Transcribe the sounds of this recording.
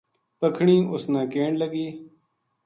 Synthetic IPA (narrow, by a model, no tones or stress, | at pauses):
pəkʰɳĩːʔʊsnãːkeːɳləɡiː